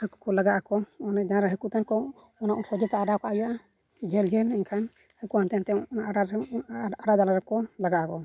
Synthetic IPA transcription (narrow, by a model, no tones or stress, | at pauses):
hɛku̥kɔlaɡaʔakɔɔnɛd͡ʒaɾaɦɛkut̪ɛnkɔ | ɔnaʔusɔd͡ʒɛt̪aaɖakɔʔajaʔa | d͡ʒɛld͡ʒɛliɲkʰan | hɛkuant̪ɛnt̪ɛaa | aɖad̪alaɾɛkɔlaɡaʔakɔ